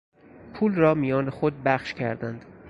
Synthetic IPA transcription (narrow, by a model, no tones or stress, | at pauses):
pʰuːlrɒːmijɒːnexod̪̚bæχʃcʲʰæɾd̪ænd̪̥